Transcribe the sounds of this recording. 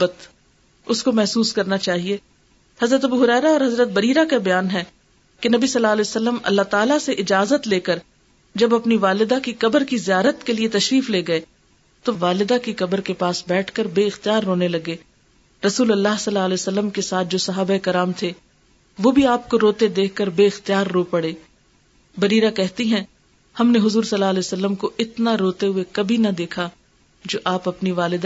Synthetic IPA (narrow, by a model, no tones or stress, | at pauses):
bət̪ | ʊskomɛɦsuːskɐɾnat͡ʃaːɦieː | hɐzɾət̪ɐbuɦʊɾɛːɾaɔːɾɦɐzɾət̪̚bɐɾiːɾakabɐjaːnɦɛ | kenɐbisɐlːaːlɛsəlːəmɐ̰lːaɦt̪aːlaseʔɪd͡ʒaːzət̪leːkəɾ | d͡ʒɐbɐpniʋaːlɪd̪akikɐbəɾkizijaːɾət̪keliet̪ɐʃɾiːfleːɡɐe | t̪oʋaːlɪd̪akikɐbəɾkepaːsbɛːʈʰkəɾbeːɪxt̪ijaːɾːoːnelɐɡeː | ɾɐsuːlɐlːaːɦsɐlːaːlɛːosɐlːəmkesaːt̪̚ʰd͡ʒoːsɐɦaːbaekɐɾaːmt̪ʰe | ʋobʱiaːp̚koɾoːt̪ed̪eːkʰkːɐɾbeːɪxt̪ijaːɾːoːpɐɽeː | bɐɾiːɾakɛɦt̪iɦɛ̃ | hɐmneɦʊzuːɾsɐlːaːlɛːosɐlːəmkoʔɪt̪naɾoːt̪eɦʊekɐbʱinɐd̪eːkʰa | d͡ʒoːʔaːpɐpniʋaːlɪd̪